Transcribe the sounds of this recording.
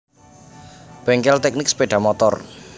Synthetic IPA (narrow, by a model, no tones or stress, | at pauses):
b̥ɛŋkɛlt̪ɛk̚nɪkspeɖ̥a̤mɔt̪ɔ̰r